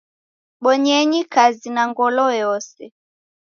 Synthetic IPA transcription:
ɓɔɲɛɲikazinaŋɡɔlɔjɔsɛ

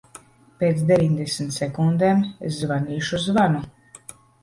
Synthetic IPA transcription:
peːt̪sd̪ʲevʲiɲd̪esʲmt̪sɛkund̪emeszvaniːʃuzvanu

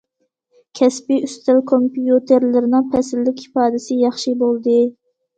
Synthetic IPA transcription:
kʲʰɛspiyst̪ʰɪlkʰompjut̪ʰeɾlɪɾɪnɨŋpʰɛsɪlːɪkʲhi̥pɑːd̪ɪsɪjɑχʃibolˠd̪ɨ

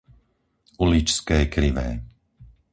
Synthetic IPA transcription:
ulit͡ʃskɛːkɾiʋɛ̰ː

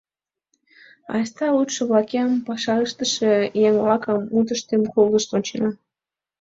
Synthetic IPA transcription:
ɑ̰st̪ɑut̪ʃə̆βlɑkɑmpɑʃɑləʃt̪əʃejeŋβlɑkəmut̪̬əʃt̪emkold̪əʃt̪onʲt͡ɕenɑ

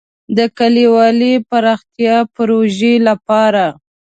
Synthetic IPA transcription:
d̪əkaliwɑlipaɾɑxt̪jɑpɾoʒelapɑɾa

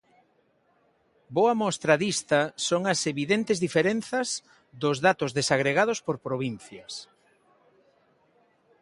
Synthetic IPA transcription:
boɐmɔst̪ɾɐðist̪ɐsoŋɐseβiðent̪ezðifeɾenθɐz | ðʊzðat̪ʊzðesaɣɾeɣað̞ospoɾpɾoβin̟θjɐs

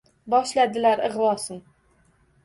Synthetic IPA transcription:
bɒʃlad̪ɪlaɾɨʁwɒsɨn

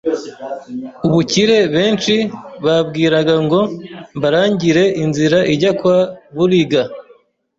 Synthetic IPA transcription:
uβuciɾe̞βe̞ːnt͡ʃiβabɡiːɾaɡaŋɡo̞mbaɾaːɲɟiɾe̞ʔinziɾaʔiɟakwaβuɾiɡa

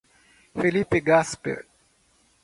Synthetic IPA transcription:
felipeɡaspɛ̰

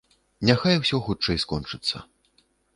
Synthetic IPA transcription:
nʲaxajwsʲɔxut͡ʂɛjskɔnt͡ʂɨt̪sːɐ̰

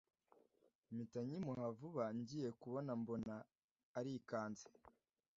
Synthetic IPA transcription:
mitaɲimuhavuβaɲɟiːje̞kuβo̞nambo̞naː | ɾikaːnze̥

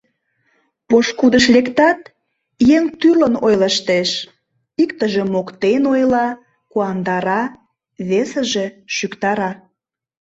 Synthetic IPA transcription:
poʃkud̪əʃlekt̪ɑt̪ | jeŋt̪ylənojləʃt̪eʃ | ikt̪əʒĕmokt̪enojlɑ | kuɑnd̪ɑɾɑ | βesə̆ʒe̽ʃykt̪ɑɾɑ

